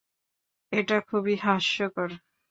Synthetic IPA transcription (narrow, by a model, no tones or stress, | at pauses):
eʈakʰubiɦaʃjokɔɾ